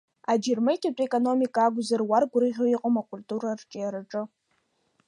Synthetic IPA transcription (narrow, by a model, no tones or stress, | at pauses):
ad͡ʒirmɨjtʰʲʼat͡pʷʼekʼono̞mikʼaːɡʷzarwarɡʷɾɨʁʲoiqʼomakʷʼultʼuɾart͡ʃʼɪjaɾaʈ͡ʂʼɨ